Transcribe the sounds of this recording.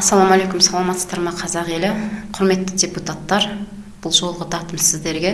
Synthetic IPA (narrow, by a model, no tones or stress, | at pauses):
sːɑlˠomɑle̞kʊmsɑlˠɑmɑt̪ːə̥st̪ɑɾmɑqʰɑzɑʁe̞lɪqʰʊɾme̞t̪ːɪdʲe̞put̪at̪ːɑɾ | b̥ʊlˠʒo̞lˠʁəd̪ʰɑt̪əmsɪzd̪e̞ɾɡʲe